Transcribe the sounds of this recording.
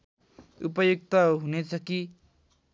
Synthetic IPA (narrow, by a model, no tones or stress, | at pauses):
upʌjuk̚t̪ʌɦunet͡sʰʌki